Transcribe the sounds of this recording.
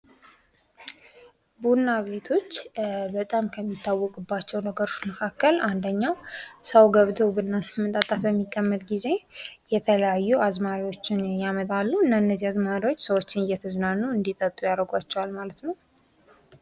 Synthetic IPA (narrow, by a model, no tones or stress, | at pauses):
bunːaβe̞t̪ʰo̞t͡ʃːbət̪ʼamkʰəmːit̪ʰːawːɔkʼɨbːat͡ʃːɛwnəɡəɾoʃməkʰakːəlʔand̪əɲːasəwɡəβt̪ʰowbɨnːamət̪ʼat̪ʼat̪bəmːikʼːəmːət̪ʼɡize̞jɛt̪ʰələjajːuazmaɾiwo̞t͡ʃːɪnjamət̪ʼalːuɨnːaɨnːəzːiazmaɾiwot͡ʃːsəwo̞t͡ʃːɪnɨjɛt̪ʰəznanːuɨnd̪it̪ʼət̪ʼːujaɾəɡʷat͡ʃːɛwalmalət̪nəw